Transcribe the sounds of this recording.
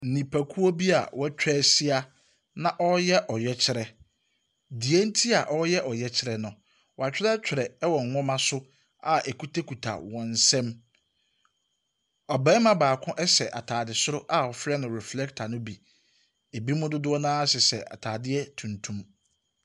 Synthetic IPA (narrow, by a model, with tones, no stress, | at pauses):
n̩˨nĩ˨pʰa˨kʰu˦o˦bi˦a̰˨wɔ˦t͡ɕᶣɛː˦si˦a˦ | nã˦ʔɔ˦jɛ˦ʔɔ˨jɛ˦t͡ɕʰɪ˦ɾɛ˨ | di˨ɛ˦n̩˦tʰi˦a˨ʔɔ˦jɛ˦ʔɔ˨jɛ˦t͡ɕʰɪ˦ɾɛ˦nʊ̃˨ | wɔ˨a˨t͡ɕᶣɪ˦ɛ˦t͡ɕᶣɪ˨ɾɛ˨ɛ˦wɔ˨ŋ̩˨ŋɔ̃˦mã˦sʊ˦ | a˨ʔɛ˨ku˦tʰe˦kʰu˨tʰa̰˨wɔ̃˨n̩˨sɛ̃˦m | ɔ˨bɛ̃˦mã˦baː˨kʰʊ̃˦ʔɛ˦sɛ˨ʔa˨tʰaː˨dɪ˨sʊ˦ɾʊ˦ʔa˦ɔ˨fɾɛ˦nʊ̃˨ɾɛ˨flɛ˦ktʰa˨nʊ̃˦bi˨ | e˨bi˦mʊ̃˦dʊ˦dʊ˦ɔ˦nãː˦sɪ˨sɛ̰˨a̰˨tʰaː˨dɪ˦ɛ˦tʰũ˨ntʰũ˦m